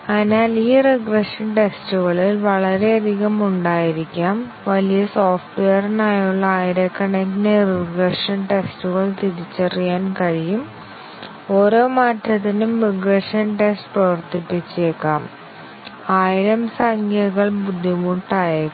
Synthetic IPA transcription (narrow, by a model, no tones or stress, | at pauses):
ɐðinaːliːreɡreʂɐnʈe̞stuɣɐɭilʋɐɭɐɾe̞ɐd̪ʱiɣɐmuɳɖaːjiɾikʲːaːm | ʋɐlijɐsoːfʈʋejɐrnaːjuɭːɐaːjiɾekːɐɳeknereɡreʂɐnʈestuɣɐɭt̪iðit͡ɕːɐrijaːnkɐɻijum | o̞ːɾo̞ːmaːtʰːɐt̪ːinumːiɡreʂɐnʈestprɐʋɐrt̪ipːit͡ɕːeːkːaːm | aːjiɾɐmsɐŋkʰɐɣɐɭbud̪ʱːimuʈːaːje